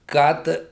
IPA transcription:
ˈkɐt

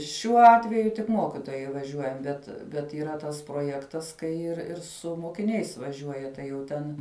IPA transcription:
ʃʲuɔ ˈɑːtʲʋʲɛjʊ tʲɪk ˈmoːkʲɪtoːjɛɪ ʋɐˈʒʲuɔjɛm ˈbʲɛt bʲɛt iːˈrɐ ˈtɐs proːˈjæːktɐs kɐɪ ɪr ˈɪr sʊ moːkʲɪˈnʲɛɪs ʋɐˈʒʲuɔjɛ ˈtɐɪ jɛʊ ˈtʲɛn

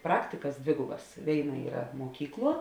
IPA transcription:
ˈprɑːktʲɪkɐs ˈdʲʋʲeːɡʊbɐs ˈʋʲeːɪˌnɐ ˈiːrɐ ˈmuɔkʲiːkˌlˠuɔ

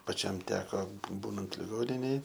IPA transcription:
pɐˈt͡ʃʲɛm ˈtʲæːkoː buː ˈbuːnɐnt lʲɪˈɡoːnʲɪnʲeːj

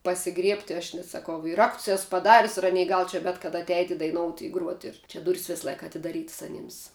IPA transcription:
pɐsʲɪˈɡrʲiɛpʲtʲɪ ɐʃ nʲɛs sɐˈkɐʊ ɪr ˈrɐkts ˈɛs pɐˈdɑːrʲʊs ɪ ˈɑːnʲɛɪ ˈɡɐlˠ t͡ʃʲɛ ˈbʲɛt kɐdɐ ɐtʲˈɛɪtʲɪ dɐɪˈnoːʊtʲɪ ɪ ˈɡruɔtʲɪ ɪr ˈt͡ʃʲɛ ˈdʊrʲiːs ʋʲɪs ˈlˠɐɪkɐ ɐtʲɪdɐˈrʲiːtɐs ɐˈnʲiːms

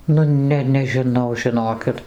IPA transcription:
nʊ ˈnʲɛ nʲɛʒʲɪˈnɐʊ ʒʲɪˈnoːkʲɪt

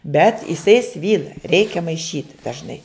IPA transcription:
bʲɛt ɪˈsɐɪ ˈsʲʋʲiːlˠɐ ˈrʲɛɪkʲɛ mɐɪˈʃʲiːt dɐʒˈnɐɪ

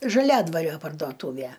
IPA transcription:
ʒɐˈlʲæːdʋɐrʲoː pɐrdoːˈtuːʋʲæ

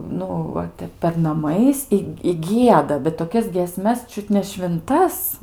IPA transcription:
ˈnʊ ˈʋɐ ˈtʲɛp pʲɛr nɐˈmɐɪs ɪ ɪ ˈɡʲiɛdɐ bʲɛt toːˈkʲɛs ɡʲiɛsʲmʲɛs ˈt͡ʃʲʊt nʲɛ ʃʲʋʲɪnˈtɐs

